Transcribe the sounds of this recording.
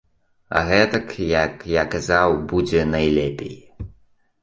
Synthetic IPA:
a̰ɣɛt̪ɐkjakjakazawbud͡zʲɛnajlʲɛpʲḛj

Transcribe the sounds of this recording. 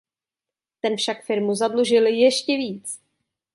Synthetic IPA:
t̪ɛnfʃakfɪɾmuzadluʒɪljɛʃcɛviːt͡s

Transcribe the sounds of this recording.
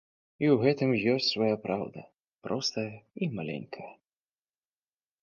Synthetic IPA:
iwɣɛt̪ɨmjɔsʲt͡sʲsvajapɾʔawd̪ɐ | pɾʔɔst̪ɐjɐimalʲɛ̰nʲkʰɐjɐ

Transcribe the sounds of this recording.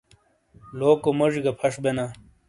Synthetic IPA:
loːkomɐʐiɡɐpʰɐʂbena

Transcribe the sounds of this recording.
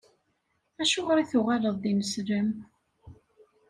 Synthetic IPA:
æʃʊʁɾiθʊʁaləðˤd̪iməsɾəm

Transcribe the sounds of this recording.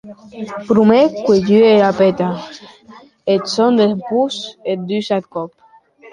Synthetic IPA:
pɾumekweɟyeɾapet̪a | et̪sond̪epuset̪̚d̪ysat̪kɔp̚

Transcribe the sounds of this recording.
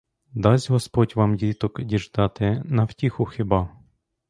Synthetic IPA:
d̪ɑzʲɦɔspɔtʲʋɑmdʲit̪ɔkdʲiʒd̪ɑt̪ɪnɐwtʲixʊxɪbɑ

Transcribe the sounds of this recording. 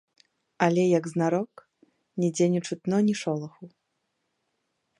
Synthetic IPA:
ɐlʲɛjɐɡznaɾɔk | nʲɛd͡zʲɛnʲut͡ʂut̪nɔnʲiʂɔlˠɐxu

